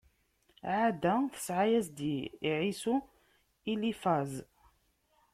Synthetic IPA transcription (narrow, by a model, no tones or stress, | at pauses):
ʕad̪æθə̥sʕajæsd̪iiʕisu | ilifaz